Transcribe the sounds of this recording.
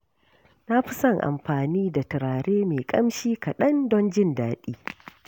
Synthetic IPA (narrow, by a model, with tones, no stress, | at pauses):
na˦ɸɪ˦sɐ˦˨ŋʔa̰˨mɸaː˨niː˦da˨tɪ˨ɾaː˨ɽeː˦meː˨kʼɐ˦mʃiː˦ka˨ɗɐ˦ndɔ˦nd͡ʒɪ˦ndaː˦ɗiː˦